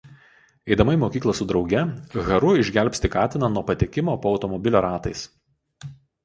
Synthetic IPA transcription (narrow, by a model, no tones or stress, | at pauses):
ɛɪd̪ɐmɐɪmoːkʲiːklˠɐsʊd̪ɾɒʊɡʲɛɣɐɾʊɪʒʲɡʲælʲpʲst̪ʲɪkɑːt̪ʲɪnɐnuɔpɐt̪ʲekʲɪmoːpoːɒʊt̪ɔmɔbʲɪlʲoːɾɑːt̪ɐɪs